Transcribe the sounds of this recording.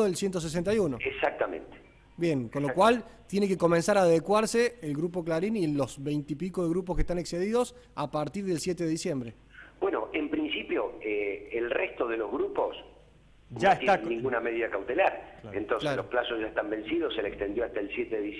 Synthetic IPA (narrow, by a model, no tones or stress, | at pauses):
oðelsjent̪os̬es̬ent̪ajunoesak̚t̪amḛ̃nt̪e̥ | bje̞ŋkonlokwalt̪jenekeko̞mẽnsaɾaːðekwaɾseːlɣɾupo̞klaɾinilo̞sβejnt̪ipikoðeɣɾup̬oskeht̪anekseðiðo̞s | apaɾt̪iɾðelsjet̪eðeðisje̞mbɾe | bweno̰ʔempɾinsipjoeelrest̪oðelo̞zɣɾupos | nʒaet̪janĩŋɡunameðiðakawt̪elaɾlaḛnt̪onsalosplasosʒaest̪ambẽ̞nsiðosːelekst̪end̪joast̪aelsjet̪eðeðis